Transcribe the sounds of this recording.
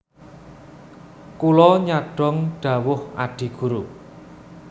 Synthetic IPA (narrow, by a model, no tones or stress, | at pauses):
kulɔɲaɖ̥ɔ̤ŋɖ̥a̤wʊha̰ɖ̥i̤ɡ̥ṳɾu